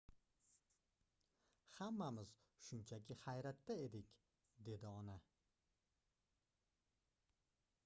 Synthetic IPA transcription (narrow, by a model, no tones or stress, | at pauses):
hamːamɪz̥ | ʃʊnt͡ʃʰakʲɪhajɾat̪ːae̞d̪ɪkʲ | d̪e̞d̪ɪɒna